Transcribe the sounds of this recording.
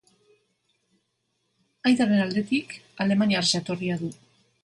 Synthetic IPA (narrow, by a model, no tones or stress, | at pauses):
ajt̪arenald̪e̞t̪ikale̞maniarset̪o̞riaðu